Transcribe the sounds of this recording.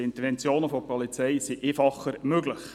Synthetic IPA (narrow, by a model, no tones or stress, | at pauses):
ɪnt̪əɾvɛnt͡sjoːnəfɔpɔlit͡sɛjsiʔefɑχːəɾmøɡləχ